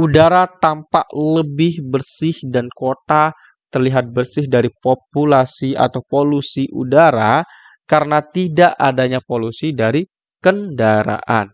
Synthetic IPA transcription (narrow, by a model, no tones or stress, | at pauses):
ʔudaɾat̪ampaʔləbɪhbərsɪhdankot̪a | t̪ərliɦat̪̚bərsɪhdaɾipop̚ulasia̰t̪awpolusiʔṵdaɾa | kaɾənat̪idaʔadaɲapolusidaɾi | kəndaɾa̰ʔa̰n